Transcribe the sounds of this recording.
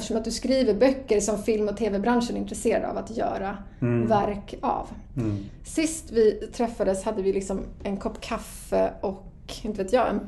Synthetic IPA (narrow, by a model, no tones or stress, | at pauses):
t̪ə̥ʂɔmat̪̚d̪ɵskɾiːvəɾbœkːəɾʂɔmfɪlmɔt̪ʰeːvɛbɾanʂənɪnt̪ɾɛseːɾad̪a̰vat̪jœ̰ːɾa | væɾkʰa̰v | sɪst̪vɪt̪ʰɾɛfːad̪əshad̪ːəvɪlɪksɔmɛnkʰɔpːkʰaf | əʔɔk | ɪnt̪əveːt̪jɑːɛ̰n